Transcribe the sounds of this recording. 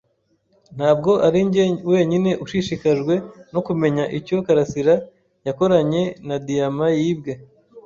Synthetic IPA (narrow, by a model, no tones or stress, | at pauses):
n̥haːbɡo̞ʔaɾiɲɟewe̞ːɲine̞ʔuʃiʃikaʒɡwe̞no̞kume̞ɲaʔico̞kaɾasiɾa | jako̞ɾaɲe̞nadijamajiːbɡe